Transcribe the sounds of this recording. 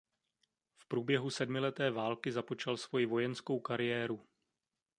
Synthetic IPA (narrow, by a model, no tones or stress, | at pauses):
fpɾuːbjɛɦusɛdmɪlɛt̪ɛːvaːlkɪzapo̞t͡ʃalsvo̞jɪvo̞jɛnsko̞wkaɾɪjɛːɾu